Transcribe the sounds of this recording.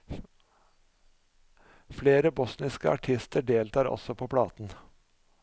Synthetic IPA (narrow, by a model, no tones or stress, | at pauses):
fleːɾəbɔsnɪskəɑ̰ʈʰɪst̪ʰəɖeːlt̪ʰɑːɾɔ̰sɔpʰoːpʰlɑːt̪n̩